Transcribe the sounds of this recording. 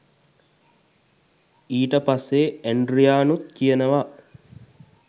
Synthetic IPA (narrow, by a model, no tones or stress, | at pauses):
iːʈəpasːeːeɳɖɾijaːnut̪̚kijənəʋa